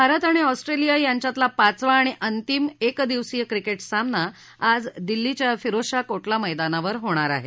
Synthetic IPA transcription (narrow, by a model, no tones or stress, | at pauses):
bʱaɾət̪aɽ̃iɔsʈɾelijajaɲt͡ɕjat̪lapat͡sʋaːɽ̃iʔənt̪imekd̪iʋsiːjəkɾikeʈsamna | ad͡zd̪ilːit͡ɕjafiɾoʂakoʈlaməjd̪anaʋəɾɦoɽ̃aɾa̰ɦḛ